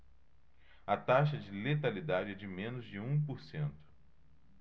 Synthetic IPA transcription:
ɐt̪aʃɐd͡ʒɪlet̪alid̪ad͡ʒɪɛd͡ʒɪmẽnʊzd͡ʒɪũpoɾsẽnt̪ʊ̥

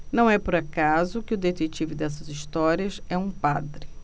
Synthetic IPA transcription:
nɐ̃w̃ɛpoɾakazʊkɪʊd̪et̪et͡ʃivʊd̪ɛs̬ɐziʃt̪ɔɾiɐsɛũpad̪ɾɪ

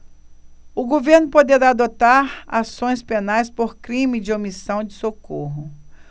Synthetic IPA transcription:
ʊɡoveɾnʊpod̪eɾaːd̪ot̪aɾa̰sõj̃spenajspoɾkɾĩmɪd͡ʒɪomisɐ̃w̃d͡ʒɪsokoɦʊ

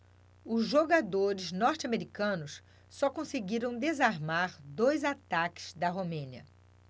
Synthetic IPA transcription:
ʊzʒoɡad̪oɾɪznɔɾt͡ʃɪameɾikɐ̃nʊs | sɔkõseɡiɾɐ̃w̃d̪ezaɾmaɾd̪ojzat̪akɪ̥z̥d̪ɐɦomẽniɐ̰

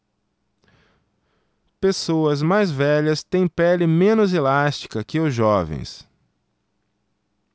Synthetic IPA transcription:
pesoɐzmajzvɛʎɐst̪ẽj̃pɛlɪmẽnʊzelast͡ʃi̥kɐkɪʊzʒɔvḛ̃j̃s

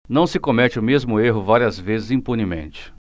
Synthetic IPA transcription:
nɐ̃w̃sɪkomɛt͡ʃɪʊmezmʊeɦʊvaɾiɐzvezɪzĩpunimḛ̃nt͡ʃɪ̥

